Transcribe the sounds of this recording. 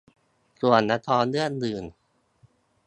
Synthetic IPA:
su˨˩ənːa˧˥t̪ʰɔː˧˥ndɯ˥˩əndɯː˨˩n

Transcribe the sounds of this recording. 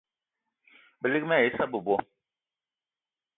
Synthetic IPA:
bə˨li˦k̚mɛ˦˨ji˦sa˦bə˨bwɔ˦

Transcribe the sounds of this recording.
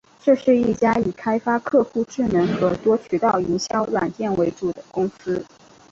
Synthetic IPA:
ʈ͡ʂɤ˥˧ʂɻ̩˥˧i˥˩t͡ɕja˥i˨˩kʰa˥ɪfa˥kʰɤ˥˧xu˥˧ʈ͡ʂɻ̩˥˩nɤ˧˥ŋxɤ˧˥t̪wɔ˥t͡ɕʰy˨˩t̪ɑ˥˩ʊi˧˥nɕjɑ˥ʊɻwa˨˩nt͡ɕ̪jɛ˥˩nwe˧˥ɪʈ͡ʂu˨˩d̪ə˦kʊ˥ŋsɹ̩˥

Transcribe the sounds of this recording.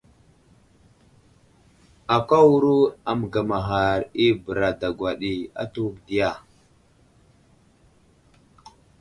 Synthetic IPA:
a˨kʷa˦wu˦ɾu˦a˨m˨ɡa˨ma˨ɦa˨ɾi˦bə˨ɾa˨da˨ɡwa˨ɗi˨a̰˦tu˦wkdi˦ja˨

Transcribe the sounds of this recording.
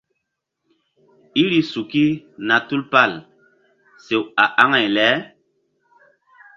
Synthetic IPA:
i˦ɾi˦su˨ki˦na˨tu˦lpa˦˨l | se˨wa˨ʔa˦ŋa˨jlɛ˨˦

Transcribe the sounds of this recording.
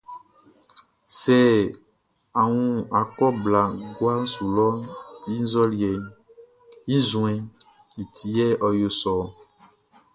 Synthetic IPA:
sɛ˦ | a˨ŋũ˦a˨kɔ˦bla˨ɡwa˦ŋ˦su˨lɔ˦ji˦n˦zɔ˦li˨ɛ˨ | ji˦zũ˨˦ɛ̃˨ | i˨t̪ʰi˨jɛ˦ʔɔ˨jo˨sɔ˨

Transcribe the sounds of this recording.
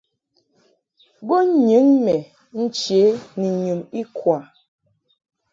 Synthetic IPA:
ɡo˦ɲɨ˨˦nmɛ˨ | n̩˦t͡ʃe˨˦ni˨ɲu˨mi˦kwa˨

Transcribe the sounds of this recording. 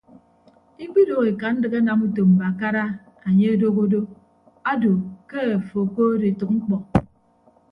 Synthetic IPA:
i˦k͡pi˦do˦˨ɣe˨ka˨n̩˦dɨ˨ka˦na˨mu˦to˨m̩˨ba˨ka˦ɾa˦ | a˨ɲe˦a˦do˦ɣo˦do˦ | a˦do˨ke˦a˨fo˨ko˦de˨tu˨k̚ŋ͡m̩˦k͡pɔ˨

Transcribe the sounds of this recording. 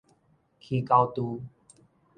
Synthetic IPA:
kʰi˨ka˧wt̪u˧

